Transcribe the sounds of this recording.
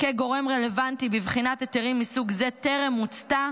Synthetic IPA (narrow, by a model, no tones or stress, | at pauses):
keɡo̞ʁe̞mʁe̞levant̪ibivχinat̪eteʁimːisuɡze̞t̪e̞ʁemːut͡st̪a